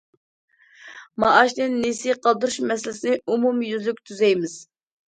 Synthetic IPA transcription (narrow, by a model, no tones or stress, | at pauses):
mɑʔɑʃnɪnːisiqʰɑlˠd̪uɾuʃmɛsɪlɪsɪnɪumumjyzlykʲt̪ʰyzɛjmɪz̥